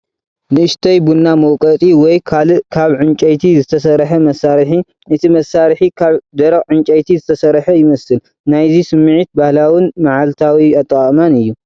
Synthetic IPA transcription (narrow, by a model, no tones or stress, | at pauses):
nɨɨʃt̪ʰɐjbunːamɐwkʼɐt̪ʼiwɔjkʰakʰaβʕɨnt͡ʃʼɐjt̪ʰizɨt̪ʰɐsɐɾħɐmɐsaɾħi | ʔɨt̪ʰimɐsːaɾħikʰaβd̪ɐɾɐɣʕɨnt͡ʃʼɐjt̪ʰizɨt̪ʰɐsɐɾħɐjɪmɐsɨl | najzisɨmːʕit̪̚bahlawɪnmaʕalt̪ʰawiat̪ʼːɐkʼmanɨjːu